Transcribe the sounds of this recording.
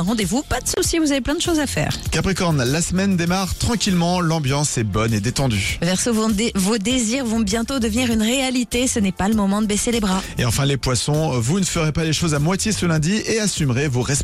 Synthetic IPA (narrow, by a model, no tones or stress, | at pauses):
ʁɑ̃d̪evupad̪əsusjivuzaveplɛ̃d̪əʃozafɛ̰ːʁkapχikɔʁnlasmɛnd̪emaʁt̪χɑ̃kʲilmɑ̃lɑ̃bjɑ̃sɛbɔned̪et̪ɑ̃d̪yvɛʁsovovod̪eziʁvɔ̃bjɛ̃t̪od̪əvniʁynʁealit̪esənɛpaləmɔmɑ̃d̪əbeselebʁaeɑ̃fɛ̃lepwasɔ̃vunəfəʁepaleʃozamwat̪ʲjesəlɛ̃d̪ieasymʁevuʁɛs